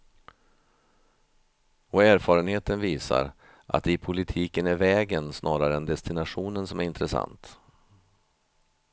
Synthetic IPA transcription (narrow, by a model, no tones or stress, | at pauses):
ɔæːɾfɑːɾənheːt̪ənviːsa̰ɾ | ʔa̰t̪̚ːɪpʰʊlɪt̪ʰiːkənæɾvɛːɡənsnʔɑːɾaɾəɛnd̪ɛst̪ɪnaɧuːnənsɔmæɾɪnt̪ɾəsa̰nt̪